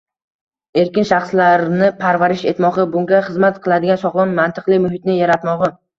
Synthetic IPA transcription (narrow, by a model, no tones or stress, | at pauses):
e̞ɾkʲɪnʃaχslaɾnɪpʰaɾvaɾɪʃe̞t̪mɒʁɨbʊŋɡʲaχɨzmat̪qʰɨlˠad̪ɪɡʲansɒʁlˠɒnmant̪ʰɨqlˠɪmʊɦɪt̪nɪjaɾat̪mɒʁɨ